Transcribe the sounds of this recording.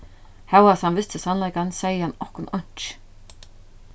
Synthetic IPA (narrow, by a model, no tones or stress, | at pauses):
hɛwaθhanvɪst̪ɪsanlajkansejːəhanːɔhkʊnɔɲ̥t͡ʃ